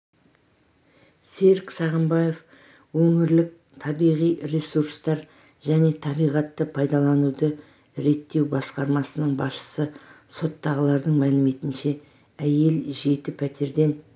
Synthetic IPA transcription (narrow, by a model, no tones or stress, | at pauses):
se̞ɾksɑʁəmbɑje̞f | wɵŋɪɾlɪk̚ | t̪ʰɑbijʁijɾesuɾst̪ɑɾ | ʒæne̞t̪ʰɑbijʁɑt̪ːəpʰɑjd̪ɑlˠɑnud̪ə | ɾe̞t̪ːe̞wbɑsqɑɾmɑsənəɴbɑsʃə̥sə | so̞t̪ːɑʁəlˠɑɾd̪əɴmælɪme̞t̪ɪnʃe̞ | æje̞lʒe̞t̪ɪpʰæt̪ʰe̞ɾd̪e̞n